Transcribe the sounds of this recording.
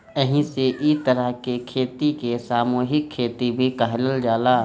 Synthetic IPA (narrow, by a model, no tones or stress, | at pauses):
əɦĩseʔit̪əɾəɦkekʰeːt̪ikesaːmoːɦɪkkʰːeːt̪ibʱikɐɦləld͡ʒaːlaː